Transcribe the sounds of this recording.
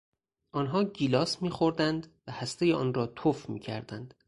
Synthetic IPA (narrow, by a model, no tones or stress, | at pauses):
ʔɒːnɦɒːɟiːlɒːsmiːxoɾd̪ænd̪væhæst̪e̞jeʔɒ̰ːnɾɒːt̪ʰofmḭːcʰæ̰ɾd̪ænd̪̥